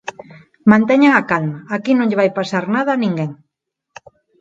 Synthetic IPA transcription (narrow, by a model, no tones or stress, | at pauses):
mãnt̪eɲaŋakalmaːkinõŋʎeβajpasaɾnað̞anĩŋɡeŋ